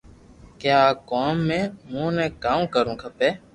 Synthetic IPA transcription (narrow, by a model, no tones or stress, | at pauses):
kjaːkoːmːẽːmũːnɛ̃ːkãːkəɾũːkʰəpeː